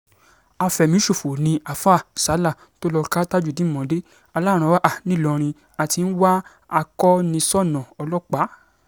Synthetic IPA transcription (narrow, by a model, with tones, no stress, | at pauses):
a˧fɛ˨mĩ˨˦ʃo˦˨fo˨nĩ˧a˨fa˦˨sa˨˦la˦˨ | to˦lɔ˧ka˦ta˦d͡ʒu˦˨dĩ˨˦mɔ̃˨˦de˦ | a˧la˦˨ɾ̃ã˨˧˦wa˦ʔa˦˨nĩ˦˨lɔ˧ɾ̃ĩ˧ | a˨ti˧n̩˦wa˦ | a˧kɔ˦nĩ˧sɔ˦˨nɔ̃˨ɔ˧lɔ˦k͡pa˨˦